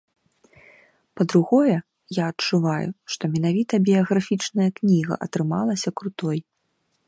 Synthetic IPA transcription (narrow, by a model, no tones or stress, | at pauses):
pɐd̪ɾuɣɔjɛ | jaɐt͡ʂːuvajṵʂt̪ɔmʲɛn̪avʲit̪ɐbʲiɐɣafʲit͡ʂnɐjɐknʲiɣɐ̰ʔɐ̰t̪ɾɨma̰lˠɐsʲɐkɾut̪ɔj